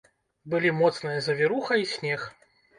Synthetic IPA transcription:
bɨlʲimɔt̪snɨjɐzɐvʲiɾuxɐisʲnʲɛx

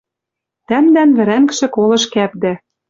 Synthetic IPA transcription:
t̪æmd̪ænβɘ̆ɾæŋkɘ̥ʃɘ̆kolɤ̆ʃkæp̚d̪æ

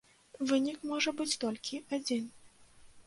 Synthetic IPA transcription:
vɨnʲikmɔʐɐbɨt͡sʲt̪ɔlʲkʲiad͡zʲin

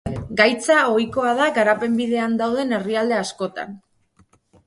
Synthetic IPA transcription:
ɡajt͡sao̞jko̞aðaɡaɾape̞mbiðe̞and̪awðe̞ne̞riald̪e̞asko̞t̪a̰n

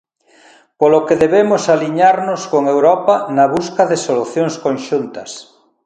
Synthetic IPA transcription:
polokeðeβemosaliɲaɾnoskoŋewɾɔpɐnɐβuskɐðesoluθjoŋskonʃunt̪ɐs

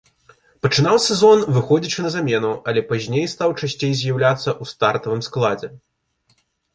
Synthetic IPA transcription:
pɐt͡ʂɨn̪awsʲɛzɔnvɨxɔd͡zʲit͡ʂɨnɐzamʲɛnuɐlʲɛpazʲnʲejst̪awt͡ʂasʲt͡sʲejzʲjawlʲat̪sːɐʔust̪art̪ɐvɨmsklˠad͡zʲɛ

